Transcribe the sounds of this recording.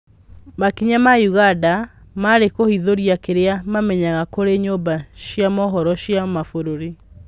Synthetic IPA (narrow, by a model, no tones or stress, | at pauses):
makiɲamajuɣada | maɾekohiðoɾiakeɾeamamɛɲaɣakoɾeɲobaɕjamɔɦɔɾɔɕjamafoɾoɾi